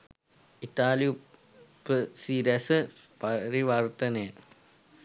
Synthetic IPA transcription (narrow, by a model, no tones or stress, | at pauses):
it̪aːliju | pːəsiːɾɐsəpaɾiʋart̪ənejə